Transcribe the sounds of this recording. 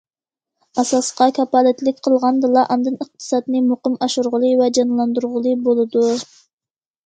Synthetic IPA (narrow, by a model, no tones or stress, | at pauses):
ɑsɑsqɑkʲʰɑpɑːlɨt̪lɪkʲqʰəlˠʁɑnd̪ɨlˠɑʔɑnd̪ɨnəq̚t̪ʰɨ̥sɑd̪nɨmoqəmɑʃuɾʁəlˠɨvɛd͡ʒɑnlˠɑnd̪uɾʁəlˠɨbolˠɨd̪u